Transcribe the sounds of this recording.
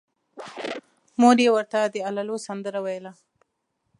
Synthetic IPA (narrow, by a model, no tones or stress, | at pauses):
moɾewəɾt̪ad̪əalalosɐnd̪əɾawajəla